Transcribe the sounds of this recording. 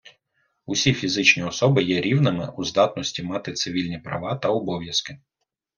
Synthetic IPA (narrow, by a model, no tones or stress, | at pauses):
usʲifʲizɪt͡ʃnʲiɔsɔbɪjɛɾʲiwnɪmɪ̰ʔuzd̪ɑt̪nɔsʲtʲimɑt̪ɪt̪sɪʋʲilʲnʲipɾɐ̰ʋɑt̪ɐɔbɔʋʲjɐskɪ